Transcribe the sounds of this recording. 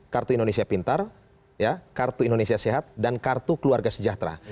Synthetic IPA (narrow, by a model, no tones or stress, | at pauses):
kart̪uindonesiapint̪ar | jakart̪uindonesiaseɦat̪̚dankart̪ukəluarɡasəd͡ʒaht̪ɾa̰